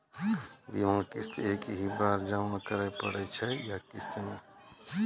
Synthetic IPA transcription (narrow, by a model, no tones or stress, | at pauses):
biãkɪst̪eːkɦibaːɾd͡ʒañkəɾɛpə̰ɽɛt͡ʃʰɛjakɪst̪eme